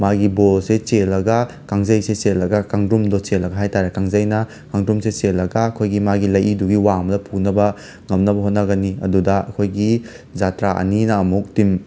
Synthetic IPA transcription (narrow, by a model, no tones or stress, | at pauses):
maɡibolset͡ʃelːɐɡɐ | kaŋzɐjseselːɐɡɐkaŋdumdɔt͡ʃelːɐɡɐɦajtaɾekaŋzɐjnɐ | kaŋdumset͡ʃelːɐɡɐɐkʰojɡimaɡilɐjiduɡiwamɐlɐpʰunɐbɐ | ŋɐmnɐbɐɦot̚nɐɡɐniɐ̰dudɐɐ̰kʰojɡi | d͡ʒatɾaʔɐ̰ninɐːmuk̚tim